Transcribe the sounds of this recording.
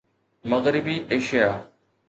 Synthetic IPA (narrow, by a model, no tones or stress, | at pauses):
mɐɣɾɪbiːʔeːʃijaː